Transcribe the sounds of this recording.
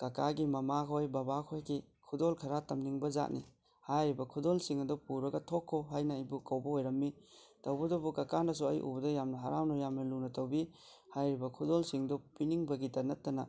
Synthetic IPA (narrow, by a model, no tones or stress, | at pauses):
kɐkaɡimɐmakʰojbɐbakʰojkʰikʰudolkʰɐɾatɐmniŋbɐza̰t̚nḭ | hajɾibɐkʰudolsiŋɐdɔpuɾɐɡɐtʰokʰːoɦajnɐːjbukɐwbɐojɾɐmːi | tɐwbɐdɔbukɐkanɐs̬uɐ̰jʔṵbɐdɔjamnɐɦaɾawnɔjamnɐlunɐtɐwbi | hajɾibɐkʰudolsiŋdɔpiniŋbɐɡitɐnɐtːɐnɐ